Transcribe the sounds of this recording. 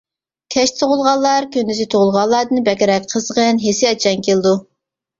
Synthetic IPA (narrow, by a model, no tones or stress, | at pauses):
kʲʰɛʃsʰoʁʊlˠʁɑlˠːɑɾkʲʰønd̪yzɪt̪ʰoʁʊlˠʁɑlˠːɑɾd̪ɨnbɛkʲɪɾɛk̚ʲqʰəzʁənɦesɪɑt͡ʃʰɛnkʲelˠɨd̪u